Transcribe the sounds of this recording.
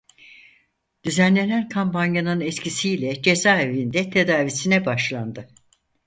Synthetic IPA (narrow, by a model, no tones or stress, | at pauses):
d̪̥yzænlʲe̞nænkʰampʰanjanɯnɛt̪cʰisijlʲɛd͡ʒe̞zaːevind̪ɛt̪ʰe̞d̪aːvisinɛbaʃlˠand̪ɯ